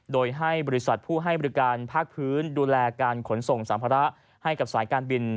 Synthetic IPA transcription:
doː˧jɦa˥˩jbɔː˧i˦˥sa˨˩t̪̚pʰuː˥˩ɦa˥˩jbɔː˧ɾi˦˥kaː˧npʰaː˥˩k̚pʰɯː˦˥nduː˧lɛː˧kaː˧nkʰo˩˦nso˨˩ŋsaː˩˦mpʰaː˧ɾa˦˥ʔ | ha˥˩jka˨˩p̚saː˩˦jkaː˧nbi˧n

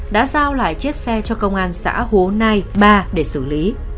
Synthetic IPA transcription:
ɗa̰ː˧˥zaː˧wla̰ː˧˨jt͡ɕi˦˥ək̚sɛ˧t͡ɕɔ˧kə˧wŋ͡mʔaː˧nsa̰ː˧˥ho˨˦na˧jɓaː˧ɗe˧˩sɨ̰˧˩li˨˦

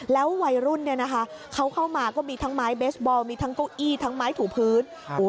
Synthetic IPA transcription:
lɛː˦˥wwa˧jɾu˥˩nːi˥˩ɐna˦˥kʰa˦˥ʔkʰa˦˥wkʰa˥˩wmaː˧kɔː˥˩miː˧t̪ʰa˦˥ŋmaː˦˥jbeː˦˥sbɔː˧wmiː˧t̪ʰa˦˥ŋkoː˥˩ʔiː˥˩t̪ʰa˦˥ŋmaː˦˥jt̪ʰuː˩˦pʰɯː˦˥n | uː˩˦

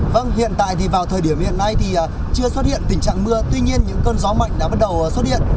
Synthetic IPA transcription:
və˧nhḭ˧˨ənt̪a̰ː˧˨jt̪ʰi˨˩vaː˨˩wt̪ʰəː˨˩jɗi˧˩əmhḭ˧˨ənːa˧jt̪ʰi˨˩ʔaː˨˩ | t͡ɕɨ˧əswə˦˥t̚hḭ˧˨ənt̪ï̟˨˩t͡ɕa̰ː˧˨ŋmɨ˧ət̪wi˧ɲi˧ənɲɨ̰˧˥ŋkəː˧nzɔ˨˦ma̰˧˨jŋ̟ɗa̰ː˧˥ɓa˦˥t̚ɗə˨˩wːswə˦˥t̚hḭ˧˨ən

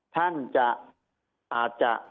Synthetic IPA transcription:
t̪ʰa˦nt͡ʃa˧ | a˨t͡ʃa̰˨

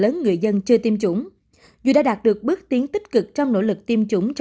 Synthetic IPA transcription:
ləː˨˦nŋɨ˨˩əjzə˧nt͡ɕɨ˧ət̪i˧mt͡ɕʊ̰˧˩ŋ͡m | zu˨˩ɗaː˧˥ɗaː˨˩t̚ɗɨ˨˩ək̚ɓɨ˦˥ək̚t̪i˨˦əŋt̪ï˦˥k̟̚kɨ˨˩k̚t͡ɕɔ˧wŋ͡mno̰˧˥lɨ˨˩k̚t̪i˧əmt͡ɕʊ˧˩˦ŋ͡mt͡ɕ

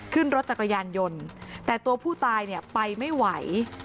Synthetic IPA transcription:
kʰɯ˥˩nɾo˦˥t̪̚t͡ɕa˨˩kʰːa˧jaː˧njo˧nt̪ɛː˨˩t̪u˧ɐpʰuː˥˩t̪aː˧jni˥˩əpa˧jma˥˩jwa˩˦j

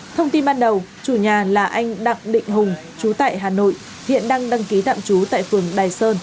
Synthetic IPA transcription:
t̪ʰə˧wŋ͡mt̪i˧nɓaː˧nɗə˨˩wt͡ɕu˧˩ɲaː˨˩laː˨˩ʔa˧jŋ̟ɗa̰˧˨ŋɗḭ̈˧˨ŋ̟ɦʊ˨˩ŋ͡m | t͡ɕu˨˦t̪a̰ː˧˨jɦaː˨˩no̰˧˨j | hḭ˧˨ənɗaː˧ŋɗa˧ŋki˨˦t̪a̰ː˧˨mt͡ɕu˨˦t̪a̰ː˧˨jfɨ˨˩əŋɗaː˨˩jsəː˧n

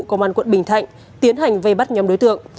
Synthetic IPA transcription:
kə˧ŋ͡mʔaː˧nkwə̰˧˨nɓï˩ŋ̟t̪ʰa̰˧˨jŋ̟ | t̪i˨˦ənɦa˨˩jŋ̟və˧jɓa˦˥t̚ɲɔ˨˦mɗo˨˦jt̪ɨ̰˧˨əŋ

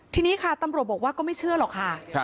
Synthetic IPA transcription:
t̪ʰiː˧niː˦˥kʰa˥˩t̪a˧mɾu˨˩ət̪̚ɔː˨˩kwaː˥˩kɔː˥˩ma˥˩jt͡ɕʰɯ˥˩əlɔː˨˩kʰːa˥˩

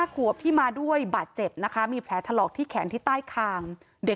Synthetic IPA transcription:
aː˥˩kʰu˨˩əp̚t̪ʰiː˥˩maː˧du˥˩əjbaː˨˩t̪̚t͡ɕe˨˩p̚na˦˥kʰa˦˥miː˧pʰlɛː˩˦˥t̪ʰa˧lɔː˨˩k̚t̪ʰiː˥˩kʰɛː˩˦nt̪ʰiː˥˩t̪aː˥˩jkʰaː˧ŋ | de˨˩

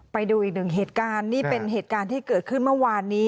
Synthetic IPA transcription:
pa˧jduː˧ʔiː˨˩k̚nɯ˨˩ŋɦeː˨˩t̪̚kaː˧nːiː˥˩pe˧nɦeː˨˩t̪̚kaː˧nt̪ʰiː˥˩kɤː˨˩t̪̚kʰɯ˥˩nmɯ˥˩˨waː˧nːiː˦˥

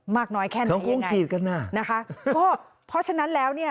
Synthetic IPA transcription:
maː˥˩k̚nɔː˦˥jkʰɛː˥˩ɔ˦˨ku˧˩˦ŋkʰiː˨˩t̪̚ka˧nːaː˧˩na˦˥kʰa˦˥kɔː˥˩ | pʰɔ˦˥t͡ɕʰa˧na˦˥nlɛː˦˥wni˥˩ɐ

